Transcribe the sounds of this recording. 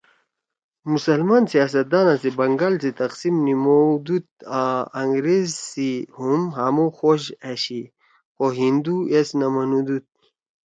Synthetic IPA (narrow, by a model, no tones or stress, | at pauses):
musɐlmansijaːs̬ɐt̪̚d̪aːnasibɐŋɡalsit̪ɐqsimnimod̪ut̪̚aɐŋɡɾezsihumɦamoxoɕaɕi | xoɦind̪uesnɐmɐnud̪ut̪̚